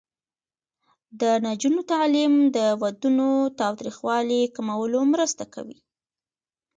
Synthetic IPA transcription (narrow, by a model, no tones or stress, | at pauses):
d̪ənad͡ʒunot̪ɑlimd̪əwad̪unot̪ɑwt̪ɾixwɑlikamawəlomɾəst̪aka̰wḭ